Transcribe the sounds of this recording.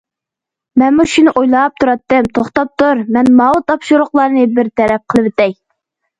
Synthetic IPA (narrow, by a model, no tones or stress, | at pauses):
mɛnmuʃunɨʔojlˠɑp̚t̪ʰuɾɑt̪ːɨmt̪ʰoχt̪ɑp̚t̪uɾmɛnmɑwɨt̪ʰɑpʃuɾʊqlˠɑɾnɨbɪɾt̪ʰɛɾɛp̚qʰəlˠɨwɪt̪ɛj